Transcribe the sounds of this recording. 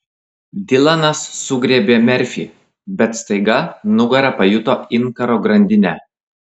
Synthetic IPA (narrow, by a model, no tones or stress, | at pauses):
d̪ʲɪlˠɐnɐsːʊɡɾʲeːbʲeːmʲɛɾʲfʲiːˑ | bʲɛt̪st̪ɐɪɡɐnʊɡɐɾʲɐpɐjʊt̪oːɪnˑkɐɾoːɡɾɐnʲd̪ʲɪnʲɛ